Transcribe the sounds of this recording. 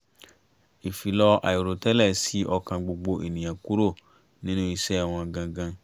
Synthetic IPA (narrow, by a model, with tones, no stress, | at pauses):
e˨fi˨lɔ˦a̰˨je˨ɾo˨tɛ˦lɛ˦˨si˦ʔɔ˧kã˨ɡ͡bo˨ɡ͡bo˦ʔe˨nĩ˨ã˨ku˦ɾo˦˨ | nĩ˦n˦õ˦i˦sɛ˦a˨wɔ̃˨a˨ɡã˧ɡã˦